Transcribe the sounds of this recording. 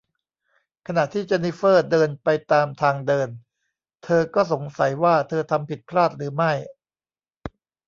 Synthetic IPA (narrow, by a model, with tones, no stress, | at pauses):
kʰa˧na˨˩t̪ʰiː˥˩t͡ɕa˧ni˦˥fɤː˥˩dɤː˧npa˧jt̪aː˧mt̪ʰaː˧ŋdɤː˧n | t̪ʰɤː˧kɔː˥˩so˩˦ŋsa˩˦jwaː˥˩t̪ʰɤː˧t̪ʰa˧mpʰi˨˩t̪̚pʰlaː˥˩t̪̚ɾɯː˩˦ma˥˩j